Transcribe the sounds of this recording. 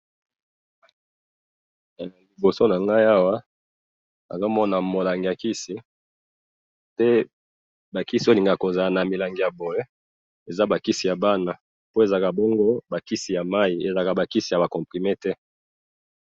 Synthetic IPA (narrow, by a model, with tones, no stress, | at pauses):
a˨li˨bo˨so˦na˨ŋɡa˦i˦a˦wa˦ | a̰˨za˦mɔ˦na˨mo˨la˨ŋɡi˨a˨ki˦si˦ | tɛ˦ | ba˨ki˦si˨˦o˦˨li˨ŋɡa˨ko˨za˨na˨mi˨la˨ŋɡi˨ja˨bo˨je˦ | e˨za˦ba˨ki˦si˨ja˨ba˦na˨ | po˦e˨za˨ka˨bɔ˦ŋɡo˦ba˨ki˦si˨ja˨ma˦i˨e˨za˨ka˨ba˨ki˦si˨ja˨ba˨kɔ̃˨pʁi˨me˦tɛ˦